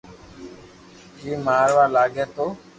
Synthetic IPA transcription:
kiːmaːɾʋaːlaːɡeːt̪oː

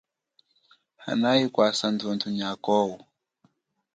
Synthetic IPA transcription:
ha̰naikwasand͡zɔntuɲakɔwu

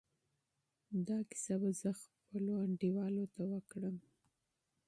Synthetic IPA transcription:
d̪ɑkɪ̥sabazəxpəloaɳɖiwɑlot̪awəkɽəm

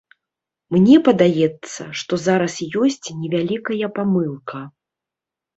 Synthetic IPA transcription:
mnʲɛpɐd̪ajɛt̪sːɐ̰ʂt̪ɔzaɾɐsijɔsʲt͡sʲnʲɛvʲalʲikɐjɐpamɨlˠkʰɐ

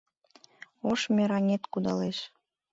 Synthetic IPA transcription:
oʃmʲeɾɑnʲet̪kud̪ɑleʃ

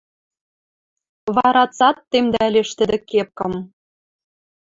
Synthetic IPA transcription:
βɑɾɑt͡sɑt̪ːemd̪æælʲeʃt̪ɘ̆d̪ɘ̆kep̚kɤ̆m

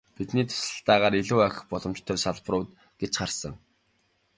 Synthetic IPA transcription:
pit̪niːt̪ʰʊ̥sɮə̆ɬt̪æːʁaːɾiɮuːæxʲɪ̥̆χpɔɮɞ̆mt͡ɕt̪ʰœːsaɮprʊːt̪ | ɡ̥et͡ɕχarsə̆ŋ

